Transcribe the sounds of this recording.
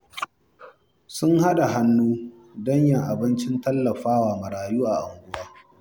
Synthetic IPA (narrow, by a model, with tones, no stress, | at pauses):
sʊ˦ŋha˦ɗa˨ɦa˦nːuː˦ | dɔ˦ɲjɐ˨ŋʔa˨bɪ˦nt͡ʃɪ˦ntɐ˦lːɐ˨ɸaː˦waː˨mɐ˨ɾaː˨juː˦ʔa˨ʔa˨ŋɡʷʊ˦waː˦